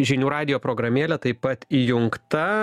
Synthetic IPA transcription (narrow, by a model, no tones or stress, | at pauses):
ʒʲɪnʲuːɾɑːd̪ʲɪjoːpɾoːɡɾɐmʲeːlʲɛt̪ɐɪpːɐt̪ijʊŋkt̪ɐ